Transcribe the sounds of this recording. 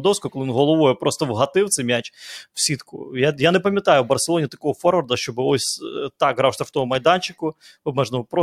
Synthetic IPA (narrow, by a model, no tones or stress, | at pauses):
d̪ɔwskkɔlˠɪinɦɔlˠɔʋɔjɛpɾʔɔst̪ɔwɦɐt̪ɪwtsɛmʲat͡ʃw̥sʲit̪kʊ̰jajanɛpɐmʲjɐt̪ɑjʊwbɐrselˠɔnʲit̪ɐkɔɦɔfɔrɐrd̪ɐʃt͡ʃɔbɪɔsʲt̪ɑkɦɾɑwʂt̪ɾɐft̪ɔɦɔmɐjd̪ɑnt͡ʃɪkʊ | ɔbmɛʒnɔɦɔpɾɔ